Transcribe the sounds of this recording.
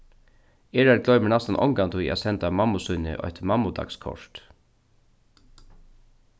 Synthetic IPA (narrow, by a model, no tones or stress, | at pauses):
eːɹaɾɡlœʏməɳɑst̪anʔɔ̰ŋɡant̪ʰuḭʔa̰sɛnt̪amɑmʊsʉnə̰ʔɔ̰ht̪mɑmʊd̪ɑ̰kskʰɔ̰ʂt̪